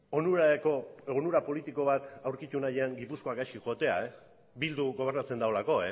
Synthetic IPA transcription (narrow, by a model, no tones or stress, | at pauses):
onuɾakoeɣnuɾapo̞lit̪iko̞β̞at̪awɾkit̪unajeaŋɡipusko̞akajʃkiʝot̪e̞a̰e | bild̪uɣo̞β̞e̞rnat͡se̞nd̪ao̞lako̞e